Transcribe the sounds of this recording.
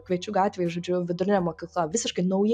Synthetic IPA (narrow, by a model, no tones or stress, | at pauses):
kʋʲɛɪt͡ʃʲuːɡɑːt̪ʲʋʲeːjɪʒoːd͡ʒʲʊʋʲɪd̪ʊɾʲɪnʲɛmoːkʲiːklˠɐʋʲɪsʲɪʃkɐɪnɐʊjɪ